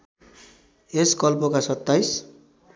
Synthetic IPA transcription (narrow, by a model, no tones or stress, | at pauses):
eskʌlpokasʌt̪ːajs